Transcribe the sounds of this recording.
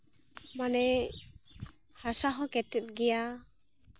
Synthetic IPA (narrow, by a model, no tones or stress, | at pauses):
manɛ | hasaɦɔkɛtːɛt̚ɡija